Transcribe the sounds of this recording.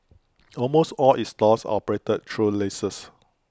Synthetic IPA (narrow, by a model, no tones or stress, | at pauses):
ɔlmostɔlistɔsɔ̰pəɹetət̚tʰɹulesəs